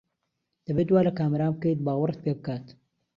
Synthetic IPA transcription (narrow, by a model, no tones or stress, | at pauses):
d̪̥ɐbeːt̪waːlɐkaːmɐɾaːmb̚kejt̪̚baːɣwʊrt̪̚peːbɨkaːt̪